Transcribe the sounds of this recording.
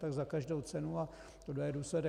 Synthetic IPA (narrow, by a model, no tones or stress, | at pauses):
t̪aɡzakaʒdowt͡sɛnua | t̪odojɛduːslɛdɛ